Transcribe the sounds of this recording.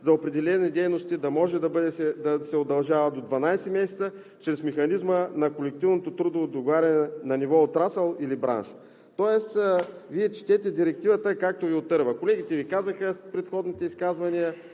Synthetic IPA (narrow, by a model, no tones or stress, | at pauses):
zɐopɾɛd̪ɛlɛnid̪ɛjnost̪id̪ɐmɔʒɛd̪ɐbəd̪ɛsɛd̪ɐsɛod̪ɐlˠʒavɐd̪od̪vɐnajsɛmɛsɛ̥t̪sə | t͡ʃɾɛsmɛxɐnizmənɐkolɛk̚t̪ivnot̪ot̪ɾud̪oːd̪oɡovaɾʲɐnɛnɐnivɔot̪ɾasəlˠilibɾa̰nʃ | t̪ɔɛsviɛt͡ʃt̪ɛt̪ɛd̪iɾɛk̚t̪ivət̪əkak̚t̪oviot̪ɤɾvəkolɛɡit̪ɛvikazəxəspɾɛt̪xɔd̪nit̪ɛiskazvɐnijə